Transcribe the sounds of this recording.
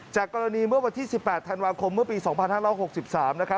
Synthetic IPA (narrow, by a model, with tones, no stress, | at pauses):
t͡ɕaː˨˩kːɔː˧ɾa˧niː˧mɯ˥˩əwa˧nt̪ʰiː˥˩si˨˩pːɛː˨˩t̪ʰːa˧nwaː˧kʰo˧mːɯ˥˩əpiː˧sɔː˩˦ŋpʰa˧nhaː˥˩ɾɔː˦˥˩ho˨˩k̚si˨˩p̚saː˩˦mna˦˥kʰa˦˥